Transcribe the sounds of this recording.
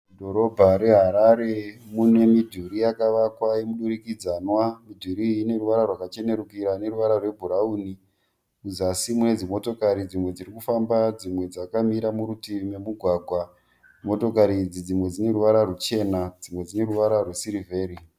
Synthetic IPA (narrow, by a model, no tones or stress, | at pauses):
dʱo̞ɾo̞bʱaɾe̞ɦaɾaɾe̞mune̞midʱuɾijakaʋakwajemuɗuɾikid͡zanwamidʱuɾiːne̞ruʋaɾarwakat͡ʃe̞ne̞ɾukiɾane̞ɾuʋaɾarwe̞bʱuɾauːni | uzasimuned͡zimo̞to̞kaɾid͡zimwe̞d͡ziɾikufambad͡zimwe̞d͡zakamiɾamuɾutimemuɡʱwaːɡʱwa | mo̞to̞kaɾid͡zid͡zimwe̞d͡zine̞ɾuʋaɾarut͡ʃe̞nad͡zimwe̞d͡zine̞ɾuʋaɾarwesiɾive̞ːɾi